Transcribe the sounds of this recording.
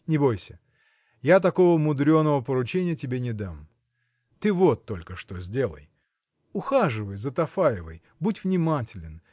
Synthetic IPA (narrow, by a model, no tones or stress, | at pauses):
nʲɪbo̞jsʲə | jat̪ɐko̞vəmʊd̪ɾʲo̞nːəvəpəɾʊt͡ɕenʲɪjətʲɪbʲenʲɪd̪am | t̪ɨvot̪ːo̞lʲkəʂt̪ozʲdʲe̞lˠə̰j | ʊxaʐɨvəjzət̪ɐfajɪvəj | butʲvnʲɪmatʲɪlʲɪn